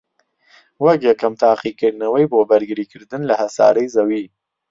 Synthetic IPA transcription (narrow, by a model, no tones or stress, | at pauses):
wɐkjɛkɐmt̪ʰaːqikɨɾd̪nɐwɐjboːbɐɾɡɨɾiːkɨɾd̪ɨnlɐhɐsa̰ːɾɐjzɐwiː